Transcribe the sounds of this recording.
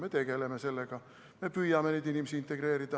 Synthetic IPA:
me̞t̪e̞ɡ̥e̞lemese̞lːeɡ̥ɑ | me̞pyjːɑmenid̪inimesiint̪ːˑe̞ɡ̥re̞ːɾid̪ɑ

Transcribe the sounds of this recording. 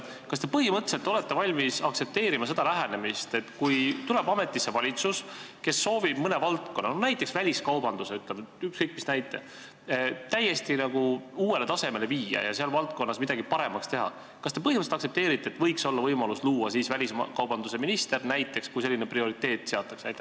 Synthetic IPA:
kɑst̪e̞pɤɦimɤt̪ːˑeset̪ːo̞let̪ːe̞vɑlʲmisɑktse̞p̚t̪e̞ːɾimɑse̞d̪̥ɑlæɦæne̞mist̪e̞t̪ːkujt̪ule̞bɑme̞t̪ːˑisːe̞vɑlʲit̪sus | ke̞sːo̞ːvib̥mɤne̞vɑlt̪̚ko̞nːɑnnæjt̪ːˑe̞ksvælʲiskɑwbɑnd̪useyt̪ˑlemykskɤjk̚ːˑmisnæjt̪ːˑe̞̰ | t̪æjːe̞st̪inɑɡ̥uuːwe̞le̞t̪ɑse̞me̞le̞viːjɑ̰jɑ̰seɑlvɑlt̪̚ko̞nːɑsmid̪ɑɡipɑɾe̞mɑkst̪e̞ɦɑ̰ | kɑst̪e̞pɤhimətset̪ɑkse̞p̚t̪e̞ːɾit̪ːˑeːt̪ːˑvɤjkso̞lːɑvɤjmɑlusluːwɑsiːsvælʲismkɑwb̥ɑnd̪̥use̞minist̪e̞rnæjt̪ːˑe̞kskujse̞lːineprio̞ɾit̪ˑːe̞ːt̪ːˑse̞ɑt̪ːˑɑksæjt̪ː

